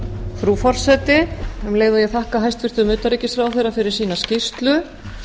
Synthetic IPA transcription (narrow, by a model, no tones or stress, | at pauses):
fɾuːfɔr̥sɛːt̪ɪɛmleːjðʏjɛɣθahkaɦajst̪vɪr̥t̪ʏmʏːt̪aɾiːcɪsfɾawθejɾrafɪɾɪɾ̥siːnascɪr̥t̪lʏ